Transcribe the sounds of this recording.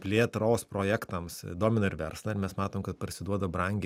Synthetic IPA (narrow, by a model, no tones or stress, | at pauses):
pʲlʲeːtt̪ɾoːspɾoːjækt̪ɐmsd̪oːmʲɪnɐɪɾʋʲɛ̰ɾslˠɐɪɾmʲɛsmɑːt̪oːmkɐt̪pɐɾʲsʲɪd̪uɔd̪ɐbɾɐŋʲɡʲ